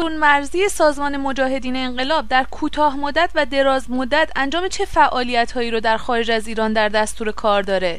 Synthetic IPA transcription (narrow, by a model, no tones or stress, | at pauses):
ounmæɾziːjesɒːzmɒːne̞mo̞d͡ʒɒːɦe̞d̪iːne̞ːɴɢe̞lɒːb̚d̪æɾkʰuːt̪ʰɒːɦmod̪ːæt̪ʰvæd̪e̞ɾɒːzmod̪ːæt̪ʰænd͡ʒɒːmet͡ʃʰe̞fæʔɒːlijæt̪hɒːjiːɾod̪æɾxɒːɾed͡ʒæziːɾɒːnd̪æɾd̪æst̪uːɾe̞kʰɒːɾd̪ɒːɾe̞